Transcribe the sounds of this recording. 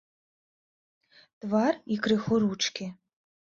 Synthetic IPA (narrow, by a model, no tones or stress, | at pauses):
t̪varikɾɪxɔɾut͡ʃkʲɪ